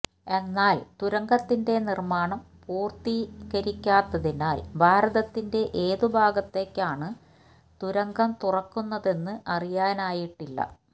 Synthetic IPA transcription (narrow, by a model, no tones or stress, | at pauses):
e̞nːaːlt̪uɾɐŋɡɐt̪ːinde̞nirmaːɳɐmpuːrt̪ikɐɾikʲːaːt̪ːɐðinaːlbʱaːɾɐðɐt̪ːinde̞ʔeːðubʱaːɡɐt̪ːe̞ːkːaːɳɨ | t̪uɾɐŋɡɐmt̪urɐkːunːɐðe̞nːɨʔɐrijaːnaːjiʈːilːɐ̰